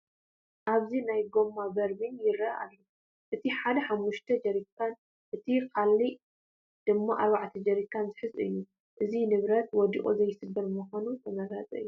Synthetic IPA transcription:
ʔaβzinajɡo̞mːabɐɾbɨnjɪɾɐa̰lːo | ʔɨt̪ʰiħad̪ɐħamːuʃt̪ʰɐd͡ʒɐɾikʰːan | ʔɨt̪ʰikʰalːi | d̪̥ɨmːaʔaɾβaʕt̪ʰɐd͡ʒɐɾikʰːanzɨħɨzɨjːu | ʔɨzinɨβɾɐt̪̚wɔd̪ḭχʼuzɐjːɪsɨbːɐɾmɨxonut̪ʰɐmɐɡazʼɐ̰ʔɨ̰jːu

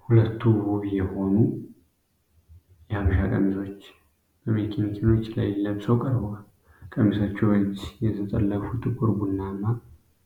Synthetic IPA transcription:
hulət̪ːuwuβijɛho̞nu | jɛhaβəʃakʼə̰mːiso̞t͡ʃː | bəmekʰenikʰeno̞t͡ʃːlalilːəbsəwkʼəɾba | kʼəmːisot͡ʃːwəd͡ʒjɛt̪ʰət̪ʼə̰lːəfut̪ʰʼɨkʷʼuɾbunːamːa

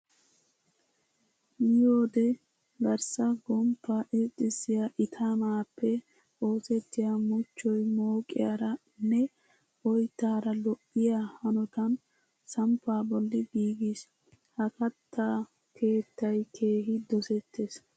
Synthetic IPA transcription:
jɪjoːd̪ɛ | ɡɐɾsɐɡɔmpːaːʔet̪ʼːɪsːɪjaʔɪt̪ʰamaːpːɛ | o̞ːsɛt̪ːɪjamʊt͡ʃːɔjmoːkʼɪja̰ɾɐ | nːɛ | ʔɔjt̪ːaːɾɐlɔʔːɪjahɐnɔt̪ɐn | sɐmpːaːbɔlːɪɡiːɡɪs | hɐkɐt̪ːaː | kʰe̞ːt̪ːɐjkʰe̞ːɦɪd̪ɔsɛt̪ːes

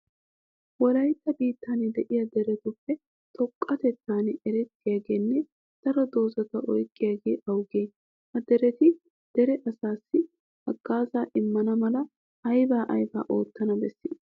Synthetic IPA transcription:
wɔlɐjt̪ːɐbiːt̪ːaːnɛd̪ɛʔɪjɐd̪ɛɾɛt̪ɔpːɛ | t̪ʰɔkʼːɐt̪ɛt̪ːaːnɛʔɛɾɛt̪ːɪjaːɡe̞ːnːɛ | d̪̥ɐɾɔd̪o̞ːzɐt̪ɐʔɔjkʼːɪjaːɡe̞ːʔɐwɡeː | hɐd̪ɛɾɛt̪ɪ | d̪̥ɛɾɛʔɐsaːsːɪ | ɐɡ̥ːaːzaːʔɪmːɐnɐmɐlɐ | ɐjbaːʔɐjba̰ːʔo̞̰ːt̪ːɐnɐbɛsːiː

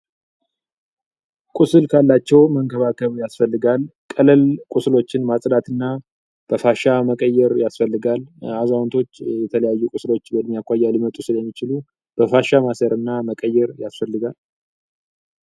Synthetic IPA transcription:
kʼusɨlkʰalːat͡ʃːɛwməŋɡəβakʰəβjasfəlːɨɡalkʼələlkʼuslo̞t͡ʃːɪnmasʼd̪at̪ɨnːa | b̥əfaʃaməkʼəjːɛɾjasfəlːɨɡalazawnt̪ʰo̞t͡ʃːjɛt̪ʰələjajːukʼʊslo̞t͡ʃːbəd̪mijakʷajːalɨmət̪ʼusɨljɛmːit͡ʃɪlu | b̥əfaʃamasəɾɨnːaməkʼəjːɛɾjasfəlːɨɡal

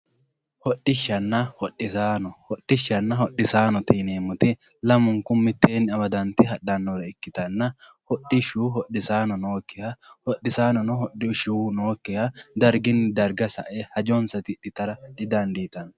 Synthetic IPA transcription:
hɔɗːɪʃːɐnːɐhɔɗːɪsaːnɔhɔɗːɪʃɐnːɐhɔᶑɪsaːnɔt̪ineːmːʊt̪ɪ | lɐmʊŋkʊmɪt̪ːeːnːɪɐbɐd̪ɐnt̪ɪɦɐᶑɐnːɔɾɐɪkːɪt̪ɐnːɐ | hɔᶑɪʃuːhɔɗɪsaːnɔnoːkːɪhɐhɔɗɪsaːnɔnɔhɔɗɪʃuːnoːkːɛhɐd̪ɐɾɡɪnːɪd̪ɐɾɡɐsɐ̰ʔehɐd͡ʒɔnsɐt̪ɪᶑɪt̪ɐɾɐᶑɪd̪ɐnd̪iːt̪ɐn

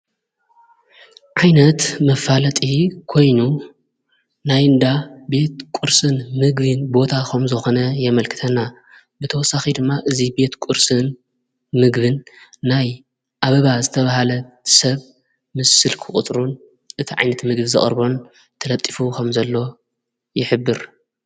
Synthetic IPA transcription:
ʕajnɐt̪mɐfːalɐt̪ʼikʰo̞jnu | najɨnd̪abe̞t̪̚kʷʼuɾsɨnmɨɡbɨnbo̞t̪ʰakʰɐmzɨxo̞nɐjɛmɐlkʰɨ̥t̪ʰɐna | bɨt̪ʰɐwɔsːaxid̪ɨmːaʔɨzibe̞t̪kʼʊuɾsɨn | mɨɡβɨnːaj | ʔaβɐβazɨt̪ʰɐβahalɐ | sɐβ | mɨsːɨlkʰɨχʼʊt̪ʼɾun | ʔɨt̪ʰiʕa̰jnɐt̪mɨɡbɨzɨ̰χʼɾbo̞n | t̪ʰɐlɐt̪ʼːi̥fukʰɐmzɐlːo̞ | jɪħɨbːɨɾ

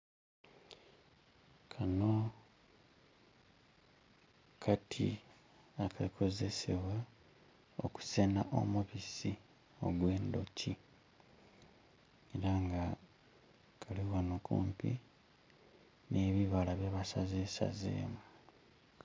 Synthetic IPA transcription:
kʰano | kʰatʰḭ | akakʰo̞ze̞se̞βwa | o̞ku̥sena̰ʔo̰muβisi | o̞̰ɡwe̞ːndo̞ci | eɾaŋɡa | kʰaliɣonokṵːmpḭ | ne̞ːβiβalaβjeβasazesa̰zḛːmu

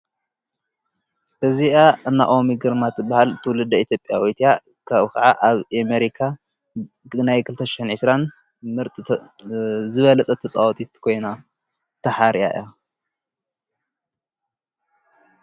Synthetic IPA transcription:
ʔɨziaʔɨnːa̰ʔo̞miɡɨɾmat̪bahalt̪ʰɨwlɨd̪ɐit̪ʰjo̞pʼːjawojt̪ʰija | kʰaβkʰaʕaʔaβʔemeɾikʰa | najkʰɨlt̪ʰɐʃɪ̥ħɨnʕɨsɾan | mɨɾt̪ʼ | zɨβɐlɐt͡sʼɐt̪ʰɐt͡sʼawɔt̪ʼit̪kʰo̞jna | t̪ʰɐħaɾija̰ʔḭja

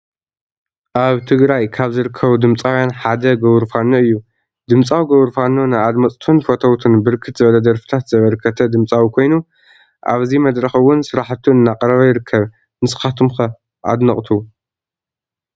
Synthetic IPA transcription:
ʔaβt̪ʰɨɡɾajkʰaβzɨɾɨkʰːɐβud̪ɨmt͡sʼawjanħad̪ɐɡɐβɾfanːoɨjːu | d̪ɨmt͡sʼawiɡɐβɾfanːonajad̪mɐt͡sʼt̪ʰunfot̪ʰɐwt̪ʰɨnbɨɾkʰɨt̪zɨβɐlɐd̪ɐɾfɨ̥t̪ʰat̪zɐβɐɾkʰɐt̪ʰɐd̪ɨmt͡sʼawikʰo̞jnu | ʔa̰βzimɐd̪ɾɐxɨwːʊnsɨɾaħt̪ʰːuɨnːaqʼɐɾɐβajɪɾɨkʰːɐβ | nɨsɨ̥xat̪ʰumxɐ | ʔa̰d̪nɐχʼt̪ʰu

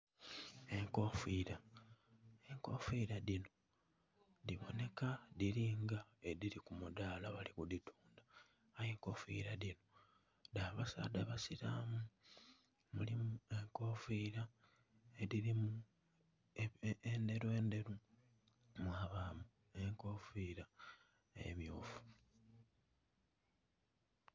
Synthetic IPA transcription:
e̞ŋko̞fiːɾa | e̞ŋko̞fiːɾadino̞ | ðiβo̞̰ne̞kaðiɾiːŋɡaediɾikumudaːlaβalikuditʰuːndaː | jeŋko̞fḭːɾadino̞ | daβasa̰ːdaβasiɾaːmu | mulimue̞ŋko̞fiːɾa | eðiɾimu | ende̞ɾwe̞ːnde̞ɾu | mwaːβaːmu | e̞ŋko̞ːfiɾa | ḛmjoːfu̥

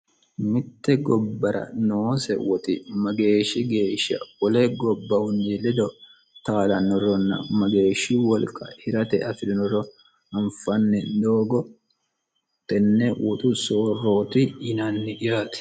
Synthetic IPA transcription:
mɪt̪ːɛɡɔbːɐɾɐ̰noːsɛwɔt̪ɪmɐɡe̞ːʃːɪɡe̞ːʃːɐ̰wɔlɛɡɔbːɐhʊnːɪlɛd̪ɔ | t̪aːlɐnɔɾɔnːɐ̰mɐɡe̞ːʃɪwɔlkʼɐ̰hɪɾɐt̪ɛɐfɪd̪ɪnɔrɔ | ɐɱfɐnːɛd̪o̞ːɡɔ | t̪ɛnːɛwʔɔt̪ʼʊsoːrːo̞ːt̪ɪɪnanːɪᶑɪjaːt̪ɪ̥

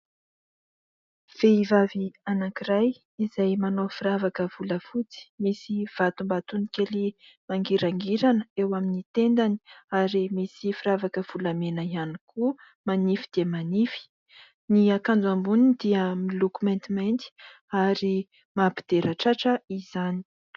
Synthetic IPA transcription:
v̥eivavianakiraj | izajmanofiɾavakəv̥uləfut͡si̥misiv̥at̪umbat̪unikʲeli | maŋɡiɾaŋɡiɾanəewaminit̪end̪ani̥aɾimisifiɾavakəv̥ulamenəianikʰu | manifid̪̥emanifi̥ | niakand͡zuambunid̪iəmilokumɛnt̪imant̪i̥ | aɾi | mapi̥d̪̥eɾʔaʈ͡ʂaʈ͡ʂəiz̥ani̥

